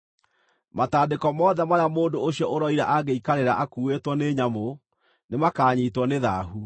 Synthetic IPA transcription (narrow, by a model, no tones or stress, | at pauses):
mataːdekɔmɔðɛmaɾeamoːndooɕiɔʔoɾɔiɾa̰ʔaɡeikaɾeɾaʔakuːwetwɔneːɲamo | nemakaːɲiːtwɔneðaːɦu